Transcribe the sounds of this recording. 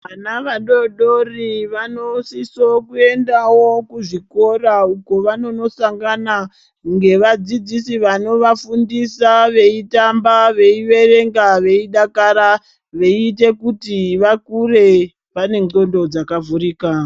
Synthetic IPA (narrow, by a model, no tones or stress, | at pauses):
ʋanaʋaɗo̞ɗo̞riʋanosisokue̞ndawokuʐiko̞rauko̞ʋano̞no̞saŋɡana | ŋɡe̞ʋad͡zid͡zisiʋano̞ʋafundisaʋe̞itambaʋe̞iʋe̞re̞ŋɡaʋe̞iɗakaɾa | ʋe̞ite̞kutiʋakure̞ | pane̞o̞ndo̞d͡zakavuriːka